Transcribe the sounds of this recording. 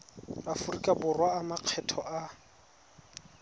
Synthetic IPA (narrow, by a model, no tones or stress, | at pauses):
afurikʼabʊrwaːmaq͡χʰɛtʰɔʔa